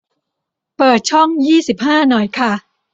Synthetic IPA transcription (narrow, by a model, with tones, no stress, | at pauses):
pɤː˨˩t̪̚t͡ɕʰɔ˥˩ŋjiː˥˩si˨˩p̚haː˥˩nɔ˨˩jkʰa˥˩